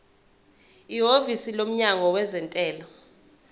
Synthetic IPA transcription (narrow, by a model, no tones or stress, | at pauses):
iɦovisilom̩ɲaŋɔwɛzɛntʼɛːlɔ